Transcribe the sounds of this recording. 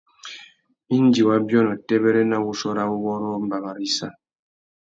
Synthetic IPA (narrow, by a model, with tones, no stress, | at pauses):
i˦n˦d͡ʒi˨wa˦bjɔ˦nɔ˨tɛ˦bɛ˦ɾɛ˦na˦wu˦sɔ˦ɾa˦u˦wɔ˦ɾɔ˦m̩˦ba˨ba˨ɾi˦sa˦